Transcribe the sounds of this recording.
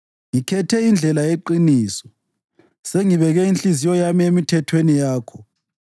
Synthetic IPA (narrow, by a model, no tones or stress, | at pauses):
ŋikʰɛtʰɛind͡ɮʱɛlaeǃiniːsɔ̥ | seŋiβɛɣɛinɬizijɔjamiemitʰɛtʰwenijaːkʰɔ̥